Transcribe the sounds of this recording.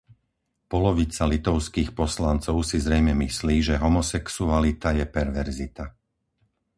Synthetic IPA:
pɔlɔʋit͡salit̪ɔʊskiːxpɔslant͡sɔʊsizɾɛjmɛmisliːʒɛɦɔmɔsɛksualit̪ajɛpɛɾʋɛɾzit̪a

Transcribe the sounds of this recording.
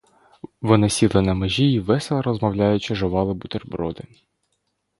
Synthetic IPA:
ʋɔnɪsʲilˠɪnɐmeʒʲiiʋɛselˠɐɾɔzmɐwlʲajʊt͡ʃɪʒɔʋɑlˠɪbʊt̪erbɾɔd̪ɪ

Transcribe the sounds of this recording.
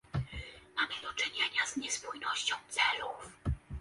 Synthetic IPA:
mamɘd̪ɔt͡ʂɘɲeɲazɲɛspujnɔɕt͡ɕɔ̃w̃t̪sɛluf

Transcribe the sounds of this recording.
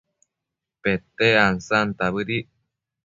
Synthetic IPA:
pet̪eansant̪aβɨɾi

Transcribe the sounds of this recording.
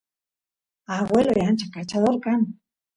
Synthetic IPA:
aɣwelojant͡ʃakat͡ʃaðoɾkan

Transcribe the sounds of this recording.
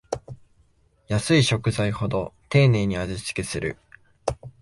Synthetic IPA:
jasɨiɕo̞kɯ̟zaiho̞d̪o̞t̪e̞ːne̞ːɲ̟iazɨsɨ̥kʲesɨɾɯ̟̰

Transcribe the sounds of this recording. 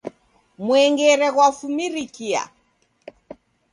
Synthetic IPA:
mwɛŋɡɛɾɛɣwafumiɾikia̰

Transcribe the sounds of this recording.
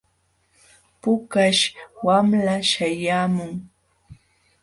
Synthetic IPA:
pʊkaʃwamlaʃajaːmʊŋ

